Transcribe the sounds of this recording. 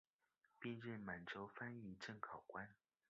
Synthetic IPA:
pɛ˥˧nɻə˥˩nma˨˩nʈ͡ʂo˥ʊfa˥ny˥˧ʈ͡ʂə˥˩ŋkʰɑ˨˩ʊkwa˥n

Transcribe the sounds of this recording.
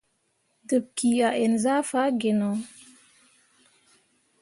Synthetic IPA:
də˨b̚ki˨a˨ʔe˨nza˦fa˦ɡe˨no˨

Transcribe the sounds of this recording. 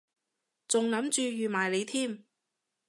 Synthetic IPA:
t͡sʊ˨ŋlɐ˨˥mt͡ʃyː˧jyː˨maː˨˩jle˨˧jt̪ʰiː˥˩m

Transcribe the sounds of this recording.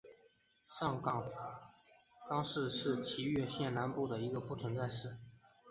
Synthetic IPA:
ʂɑ˥˩ŋkɑ˥˩ŋ | kɑ˥ŋʂɻ̩˥˧ʂɻ̩˥˩t͡ɕʰi˧˥ɥɛ˥˧ɕjɛ˥˩nna˧˥npu˥˩d̪ə˩i˧˥ɡə˧pu˥˩t͡sʰwə˧˥ŋt͡sa˥˧ɪʂɻ̩˥˩

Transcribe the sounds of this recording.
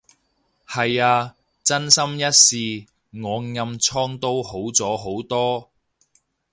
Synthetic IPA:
hɐ˨jaː˧ | t͡sɐ˥nsɐ˥mjɐ˥t̚siː˨˧ | ŋɔː˨˧ŋjɐ˧mt͡sʰɔː˥ŋt̪o˥who˨˥wt͡sɔː˨˥ɦo˨˥wt̪ɔː˥

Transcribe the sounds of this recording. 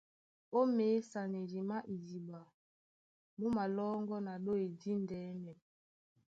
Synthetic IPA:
o˦meː˨˦sa˨ne˨ɾi˨ma˦ʔi˨zi˨ba˨ | mu˦ma˨lɔː˦ŋɡɔ˦na˨ɗo˦e˨di˦n˨dɛː˨˦mɛ˨

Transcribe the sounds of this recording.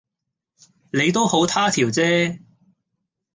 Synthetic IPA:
ne˨˧jt̪o˥who˨˥wt̪ʰaː˥t̪ʰiː˨˩wt͡sɛː˥

